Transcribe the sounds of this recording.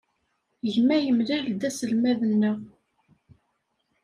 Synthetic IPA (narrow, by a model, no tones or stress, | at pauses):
ʝmæjəmlæld̪æsəlmæðənːəʁ